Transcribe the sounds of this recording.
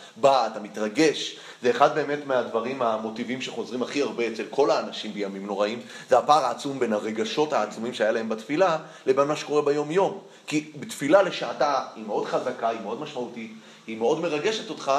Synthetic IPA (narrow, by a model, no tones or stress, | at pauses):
baːtamitʁaɡe̞ʃ | ze̞ːχad̪̚be̞ːme̞tmeadvaʁimamo̞tivimʃe̞χo̞zʁimaχiaʁbe̞ːt͡selkʰo̞laːnaʃimbejamimno̞ʁaimzeapaːʁaːt͡sumbe̞nhaʁe̞ɡaʃo̞thaːt͡sumimʃeajalae̞mbatfila | lebenmaʃeko̞ʁebajo̞mjo̞m | kibetfilale̞ʃaːtaimeo̞dχazakaimeo̞dmaʃmautit | himeo̞dme̞ʁaɡe̞ʃe̞to̞tχa